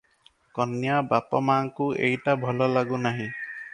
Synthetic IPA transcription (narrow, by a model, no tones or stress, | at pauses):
kɔnjabapɔmaŋkuḛjʈabʱɔlɔlaɡunaɦĩ